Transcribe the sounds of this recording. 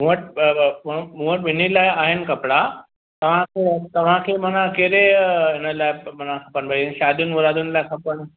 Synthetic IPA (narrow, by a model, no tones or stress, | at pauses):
m̤ũʋəʈ̚mmũʋəʈʋinilajaɦenkəpɽa | t̪ɐʋ̤ãket̪ɐʋ̤ãkʰemənãkeɾenəlajmənakʰəpənbəjnɕad̪uːnʋuɾad̪uːnlakʰəpən